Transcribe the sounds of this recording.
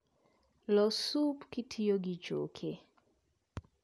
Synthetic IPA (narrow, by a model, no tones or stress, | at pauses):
lɔsupkɪtʰijoɡit͡ʃo̰kʰe